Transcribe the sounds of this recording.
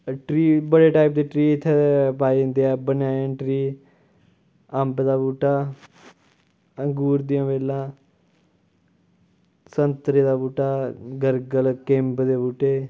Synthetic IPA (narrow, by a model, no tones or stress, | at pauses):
ʈɾiːbəɽeːʈaːɪp̚d̪eːʈɾiːɪt̪ʰːeepaːĩːnd̪eːɛːbənjaːãːʈɾiː | əmbd̪aːbuːʈaː | əŋɡuːɾd̪ijãːʋeːlãː | sənt̪ɾeːd̪aːbuːʈaːɡəɾɡəlkɪmbd̪eːbuːʈeː